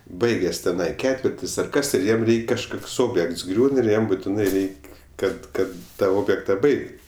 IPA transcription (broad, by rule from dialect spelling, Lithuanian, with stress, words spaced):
ˈbɐɪɡʲeːs tʲɛˈnɐɪ ˈkʲæːtʲʋʲɪrʲtʲɪs ɐr ˈkɐs ɪr ˈjiɛm ˈrʲɛɪkʲ kɐʃˈkoːks ˈoːbʲjɛkts ˈɡrʲuːn ɪr ˈjɛm bʊtʲɪˈnɐɪ ˈrʲɛɪkʲ ˈkɐt ˈkɐt tɐ ˈoːbʲjɛktɐ ˈbɐɪkt